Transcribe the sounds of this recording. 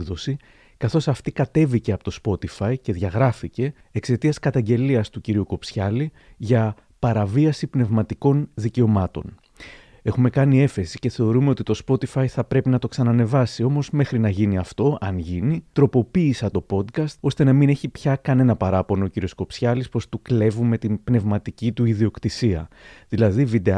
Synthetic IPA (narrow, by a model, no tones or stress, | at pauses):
ðo̞si | kɐθo̞sɐft̪ikɐt̪e̞vice̞ɐpot̪o̞spo̞t̪ifɐice̞ðʝɐɣɾɐfice̞ː | kse̞t̪iɐskɐt̪ɐɲɟe̞liɐst̪uciɾiuko̞psçɐli | ʝɐ | pɐɾɐviɐsipne̞vmɐt̪iko̞nðice̞o̞mɐt̪o̞̰n | e̞xume̞kɐnie̞fe̞si̥ce̞θe̞o̞ɾume̞o̞t̪it̪o̞spo̞t̪ifɐjθɐpɾe̞pinɐt̪o̞ksɐnɐne̞vɐsio̞mo̞zme̞xɾinɐʝiniɐft̪o̞ʔɐnʝinit̪ɾo̞po̞piːsɐt̪o̞po̞d̪kɐst̪o̞st̪e̞nɐmine̞çipçɐkɐne̞nɐpɐɾɐpo̞noociɾio̞sko̞psçɐlispo̞st̪ukle̞vume̞t̪imbne̞vmɐt̪icit̪uiðio̞kt̪isiɐ̰ðilɐðivid̪e̞